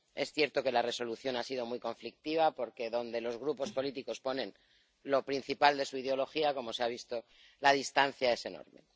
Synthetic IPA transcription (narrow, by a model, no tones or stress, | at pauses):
e̞sθje̞ɾt̪o̞ke̞lare̞so̞luθjo̞nasið̞o̞mujko̞ɱflik̚t̪iβ̞apo̞ɾke̞ðo̞nd̪e̞lo̞zɣ̞ɾupo̞spo̞lit̪iko̞spo̞nẽ̞n | lo̞pɾin̟θipald̪e̞suið̞eo̞lo̞xiako̞mo̞se̞aβ̞ist̪o̞ | lað̞ist̪an̟θjae̞se̞no̰ɾme̞̰